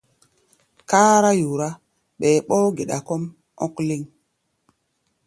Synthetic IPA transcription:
ka˦ɾa˦ju˨ɾa˦ | ɓe˨ɓo˦ɡe˨ɗa˨ko˦m | o˦kli˦ŋ

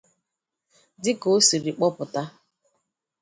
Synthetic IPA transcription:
dɪ˦ko˦si˨ɾɪ˨k͡pɔ˦pʊ˨ta˦

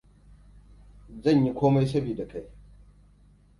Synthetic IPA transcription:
zɐ˦˨ɲji˦kʷoː˦ma˦jsɐ˦biː˨da˨kʰa˦j

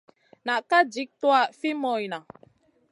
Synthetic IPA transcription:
na˨ʔka˦d͡ʒi˦k̚twa˦˨fi˦mɔ˨jna˨

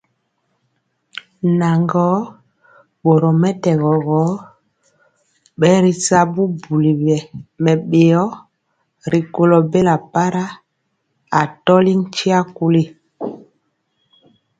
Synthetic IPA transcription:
na˨ŋɡɔ˨˦ | ɓo˨ɾɔ˨mɛ˦tɛ˨ɣɔ˨ɣɔ˨˦ | ɓɛ˦ɾi˨sa˦bu˦bu˨li˨bɛ˨mɛ˨ɓe˨ɔ˦ | ɾi˨ko˨lɔ˨be˦la˨pa˦ɾa˦ | a˨tɔ˦li˦ŋt͡ʃi˦a˦ku˦li˦

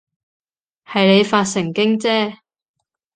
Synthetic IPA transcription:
hɐ˨jne˨˧jfaː˧t̚sɪ˨˩ŋkɪ˥ŋt͡sɛː˥

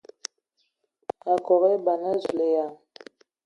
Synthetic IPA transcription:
a˨kɔ˨ɾe˦ba˨na˦zle˨ja˨

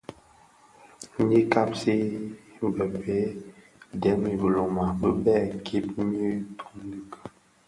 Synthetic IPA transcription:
ɲi˦ka˦psi˦˨bə˨pe˨˦ | dɛ˨˦mi˨bə˨lo˨ma˨bə˦bɛ˦˨kʰi˦p̚mi˦tʰu̥˦di˦ka˨

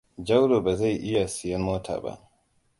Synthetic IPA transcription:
d͡ʒa˦wlo˨ba˨za˦˨jʔɪ˦ja˨sɪ˨jɐ˦nmoː˦tʰa̰ː˨ba̰˦˨ʔ

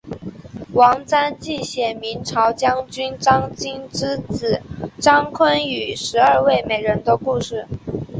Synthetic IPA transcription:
wɑ˧˥ŋt͡sa˥nt͡ɕi˥˩ɕjɛ˨˩mi˧˥nʈ͡ʂʰɑ˧˥ʊt͡ɕjɑ˥ŋt͡ɕy˥nʈ͡ʂɑ˥ŋt͡ɕi˥nʈ͡ʂɻ̩˥t͡sɹ̩˨˩ʈ͡ʂɑ˥ŋkʰwə˥ny˨˩ʂɻ̩˧˥ɐ˞˥˧we˥˩ɪme˨˩ɪɻə˧˥nd̪ə˧ku˥˧ʂɻ̩˥˩

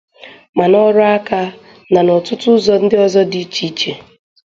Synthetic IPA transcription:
ma˨nɔ˦ɾɔ˦a˦ka˦ | na˨nɔ˨tʊ˦tʊ˦zɔ˦n̩˦dɪ˦ɔ˦zɔ˦di˦t͡ʃi˦t͡ʃe˨

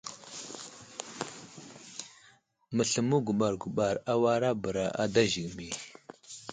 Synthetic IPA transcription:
mə˨ɬə˨mu˦ɡu˨ɓa˨ɾɡu˨ɓa˨ɾa˦wa˦ɾa˦bə˨ɾa˨ʔa˦da˦ʒi˨ɡmi˨

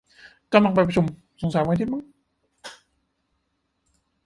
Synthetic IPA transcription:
ka˧mla˧ŋp̬a˧jpɾa˧t͡ɕʰu˧m | so˩˦ŋsa˨˩˦jma˧˥˧t̪ʰiː˥˩ma˧˥˦ŋ

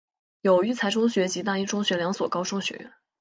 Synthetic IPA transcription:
jo˨˩ʊy˥˩t͡sʰa˧˥ɪʈ͡ʂʰʊ˥ŋɕɥɛ˧˥t͡ɕi˧˥t̪̬a˥˧i˥˩ʈ͡ʂʰʊ˥ŋɕɥɛ˧˥ljɑ˧˥ŋswɔ˨˩kɑ˥ʊʂʊ˥ŋɕɥɛ̰˧˥˦

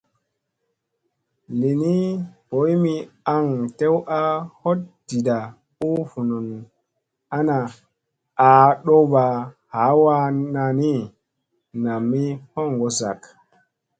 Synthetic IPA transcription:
li˨ni˦po˨˦jmi˧a˦ŋte˦wa˦ho˦t̚d̥i˨da˨ | u˦fu˨nu˨n | a˦na˨ | a˨ɗo˦ba˨ | ha˨˦wa˧na˧ni˦ | na˨mːi˦ho˦˨ŋɡo˨za̰˨k

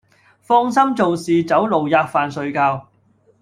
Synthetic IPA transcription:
fɔː˥ŋsɐ˥mt͡so˨wsiː˨t͡sɐ˨˥wlo˨wjaː˧k̚faː˨nsɵ˧ɥkaː˧w

